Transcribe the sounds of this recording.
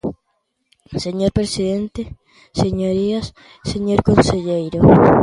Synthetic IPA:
seɲoɾpɾesiðent̪e | seɲoɾias | seɲoɾkonseʎejɾo

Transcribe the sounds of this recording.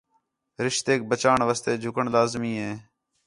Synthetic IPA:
ɾɪʃt̪eːk̚bət͡ʃaːɳʋəst̪eːd͡ʒʱʊkəɳlaːzmiːɦeː

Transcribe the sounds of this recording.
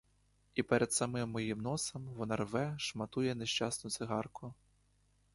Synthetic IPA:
ipɛɾʔɛd̪sɐmɪmːɔjimnɔsɐmʋɔnɑrʋɛʃmɐt̪ujɛneʃt͡ʃɑsnʊt̪sɪɦɑrkʊ

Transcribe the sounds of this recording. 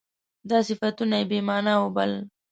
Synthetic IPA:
d̪ɑsɪfat̪unaebemɑnawobal

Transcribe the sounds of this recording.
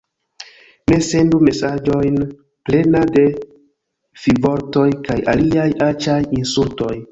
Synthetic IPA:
mese̞ndume̞sad͡ʒo̞jn | ple̞nade̞ | fivo̞ɾto̞jkaja̰liajat͡ʃajinsulto̞j

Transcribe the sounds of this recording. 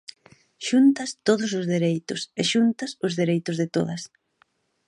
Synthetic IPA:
ʃunt̪ɐst̪oðʊs̬ʊzðeɾejt̪ʊseʃunt̪ɐsʊzðeɾejt̪ʊzðɪt̪oðɐs

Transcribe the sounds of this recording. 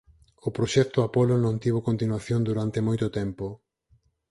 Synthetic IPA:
ʊpɾoʃɛk̚t̪ʊapolonõnt̪iβ̞okont̪inwaθjond̪uɾant̪emojt̪ʊt̪ɛmpo

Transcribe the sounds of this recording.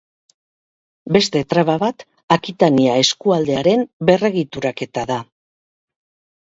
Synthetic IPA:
be̞st̪e̞t̪ɾaβaβat̪ | akit̪aniae̞skuald̪e̞aɾe̞mbe̞re̞ɣit̪uɾake̞t̪aða

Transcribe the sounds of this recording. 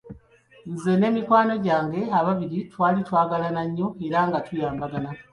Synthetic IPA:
nze̞ne̞ːmikwaːno̞ɟaːŋɡe̞aβaβiɾitwaːlitwaːɡalanaɲːo̞e̞ɾaŋɡatʰujaːmbaɡana

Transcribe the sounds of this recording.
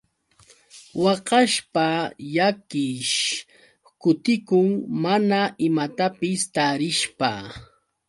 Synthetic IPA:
wɑqɑʃpajakɪʃ | kʊt̪ɪkʊŋmanaʔɪmat̪apɪst̪aːɾɪʃpa

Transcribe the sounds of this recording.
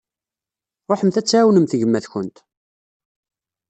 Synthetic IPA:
ɾˤoħəmθæt͡sːʕæwnəmθəʝəmːæðçənt̪

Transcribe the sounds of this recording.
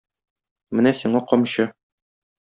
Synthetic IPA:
mɘnæsiɴɑqɒmɕɤ

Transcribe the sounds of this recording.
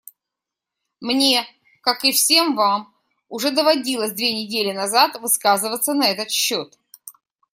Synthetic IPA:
mnʲe̞ | kakɨfsʲe̞mvam | ʊʐɛd̪əvɐdʲilˠəsʲd̪vʲenʲɪdʲelʲɪnɐzat̪vɨskazɨvət̪sənɐɛt̪ət̪ɕːot̪

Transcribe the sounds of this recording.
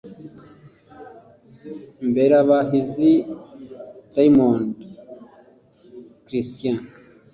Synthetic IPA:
mbeɾaβaɦizi | dajmond | kɾist̪jã

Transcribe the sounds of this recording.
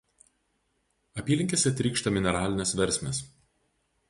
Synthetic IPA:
ɐpʲiːlʲɪŋʲkʲesʲɛt̪ʲɾʲiːkʃt̪ɐmʲɪnʲɛɾɑːlʲɪnʲesʋʲɛɾʲsʲmʲes

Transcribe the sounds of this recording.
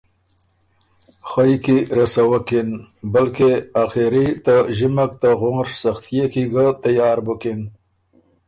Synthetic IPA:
xajkiɾasawakinbalkeaxeɾit̪aʒimak̚t̪aɣoŋɾsaxt̪ijekiɡat̪ajɑːɾbukin

